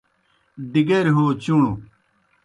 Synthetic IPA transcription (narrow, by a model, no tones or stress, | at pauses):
d̪iɡeɾɦoːt͡ɕuɳu